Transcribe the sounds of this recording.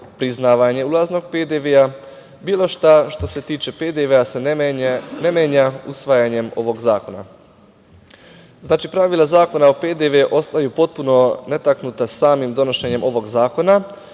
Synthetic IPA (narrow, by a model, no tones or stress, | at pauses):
pɾiznaːʋaɲe̞ulˠazno̞ɡ̚ped̪eʋea | biːlˠo̞ʃt̪aʃt̪o̞se̞t̪iːt͡ʃe̞ped̪eʋease | nemeːɲausʋajaɲe̞mo̞̰ʋo̞ɡzaːko̞na̰ | znaːt͡ʃipɾaʋilˠazaːko̞naoped̪eʋeʔo̞st̪ajupo̞t̪̚puno̞ne̞t̪aknut̪asaːmimd̪o̞no̞ʃe̞ɲe̞mʔo̞ʋo̞ɡzaːko̞na